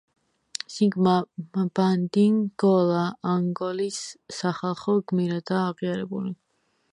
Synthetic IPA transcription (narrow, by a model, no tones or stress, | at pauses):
siŋɡmab̥and̪iŋɡɔlˠaːŋɡɔlisːaχalˠχɔɡmiɾad̪aːʁiaɾɛbuli